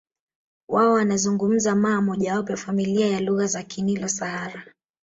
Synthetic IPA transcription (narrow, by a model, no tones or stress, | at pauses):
waɔwanazuŋɡum̩zamaːmɔʄawap̬ɛafamiliajaluɣazakʰinilɔsaaɾa